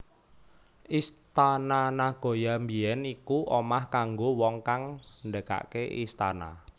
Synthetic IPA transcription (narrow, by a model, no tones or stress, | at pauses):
ʔist̪ananahɡ̥o̤jambiɛnikuʔomahkaŋɡowɔŋkaŋndəka̰ʔkeʔḭst̪ana̰